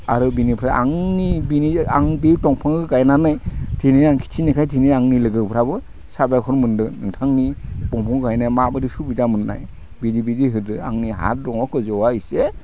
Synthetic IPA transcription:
aɾɯbinipʰɾaʔa̰ŋnibinia̰ŋbiwtɔŋpʰɯŋɯɡajnanɯjtʰinijaŋkʰi̥tʰinikʰajtʰinijaŋnilɯɡɯwpʰɾabɯ | sabajkʰɔɾmɯndɯnɯŋtʰaŋnib̥ɔŋpʰɔŋɡajnajmabɯdisubidamɯnːa̰j | bidibidiɦɯdɯa̰ŋniɦa̰t̚dɔŋɔkʰɯzɔwaise

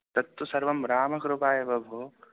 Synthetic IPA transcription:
t̪ɐt̪ːwɐsɐɾʋɐmɾaːmɐkɾupaːjebɐbʱoː

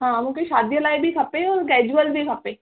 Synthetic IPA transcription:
ɦãːmũːkeʃaːd̪jəlaːibʱikʰɐpeɔːɾkɛːd͡ʒuəlbʱikʰəpeː

